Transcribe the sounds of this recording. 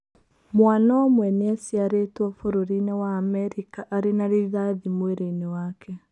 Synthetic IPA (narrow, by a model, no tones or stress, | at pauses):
mwanaɔmwɛneasiaɾetwɔfoɾoɾinewaːmɛɾikaʔaɾenaɾeðaðimweɾeinewaːkʰɛ